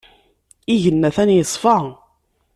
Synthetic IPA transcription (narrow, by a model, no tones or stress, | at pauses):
iʝənːæθænjəsˤfɑ